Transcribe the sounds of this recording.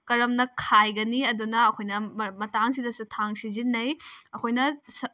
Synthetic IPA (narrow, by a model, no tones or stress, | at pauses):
kɐɾɐmnɐkʰajɡɐniɐdunɐːkʰojnɐmɐtaŋsidɐsutʰaŋsizinːɐjɐkʰojnɐs